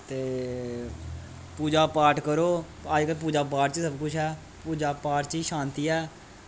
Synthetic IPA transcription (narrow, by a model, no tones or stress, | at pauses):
t̪eː | puːd͡ʒaːpaːɾʈkəɾoː | əd͡ʒkəp̬uːd͡ʒaːp̬aːɾʈt͡ʃːsəbkʊt͡ʃʰɦɛː | puːd͡ʒaːpaːʈt͡ʃiːʃaːnt̪iːɛː